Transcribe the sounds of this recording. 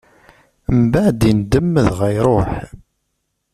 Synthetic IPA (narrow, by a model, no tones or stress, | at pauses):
mbaʕd̪ind̪əmːəðʁæjɾˤoħ